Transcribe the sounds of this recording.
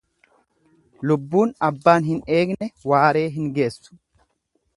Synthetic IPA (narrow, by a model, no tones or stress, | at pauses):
lʊbːuːnɐbːaːnɦɪne̞ːɡnɛwaːɾe̞ːɦɪŋɡe̞ːsːʊ̥